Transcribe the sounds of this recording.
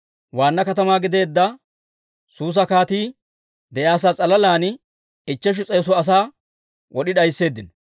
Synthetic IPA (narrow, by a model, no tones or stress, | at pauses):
waːnːɐkɐt̪ɐmaːɡɪd̪e̞ːd̪ːɐ | suːs̬ɐkaːt̪iː | d̪ɛjaːs̬aːt͡sʼɐlɐlaːnɪ | ɪt͡ʃːɛʃ̬ɪt͡sʼɛjːs̬ɔɐs̬aː | wɔɗɪɗɐjsːe̞ːd̪ːɪn